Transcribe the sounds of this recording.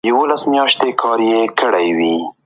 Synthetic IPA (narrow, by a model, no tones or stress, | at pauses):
jawolasmjɑʃt̪ekʰɑɾjekəɽajwi